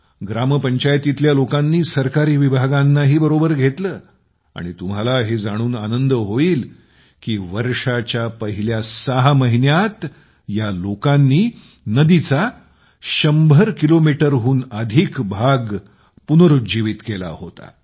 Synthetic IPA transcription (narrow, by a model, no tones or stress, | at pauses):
ɡɾaməpəɲt͡ɕajt̪it̪ljalokanːiːsəɾkaɾiːʋibʱaɡãnːaɦiːbəɾobəɾɡʱet̪ləː | a̰ɽ̃it̪umɦalaɦed͡zaɽ̃uːnanənd̪əɦoiːl | kiːʋəɾʂat͡ɕjapəɦiljasaɦaməɦinjat̪ | jalokãnːiː | nəd̪it͡sa | ɕəmbʱəɾkilomiʈəɾɦuːnəd̪ʱikbʱaɡ | punəɾud͡ʑiʋit̪kela̰hot̪a̰